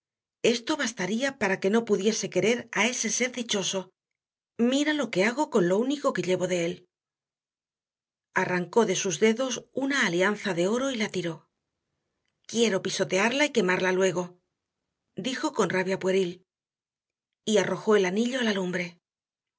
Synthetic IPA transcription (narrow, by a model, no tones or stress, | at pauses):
e̞st̪o̞βast̪aɾiapaɾake̞no̞puðje̞se̞ke̞ɾe̞ɾae̞se̞se̞ɾðit͡ʃo̞so̞ | miɾalo̞ke̞aɣ̞o̞ko̞nlo̞uniko̞ke̞ʎe̞βo̞ðe̞e̞l | araŋko̞ðe̞suzðe̞ðo̞sunaːlian̟θaðe̞o̞ɾo̞ilat̪iɾo̞ | kje̞ɾo̞piso̞t̪e̞aɾlaike̞maɾlalwe̞ɣ̞o̞ | d̪ixo̞ko̞nraβjapwe̞ɾil | iaro̞xo̞e̞laniʎo̞alalumbɾe̞